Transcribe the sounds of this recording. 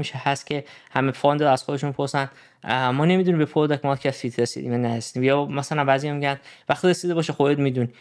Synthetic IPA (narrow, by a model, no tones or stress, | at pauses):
miʃehæst̪cʰe̞hæmefɒnd̪ɾæz̥xod̪eʃunmipʰoɾsæn | mɒːne̞mid̪unimbepʰoɾd̪ækmɒkʰæfit̪ʰɾesḭd̪ḭmjænæɾesid̪iːmjɒːmæsælænbæːzijɒmiɟænd̪væxt̪iɾesid̪ebɒːʃexod̪ed̪miːd̪un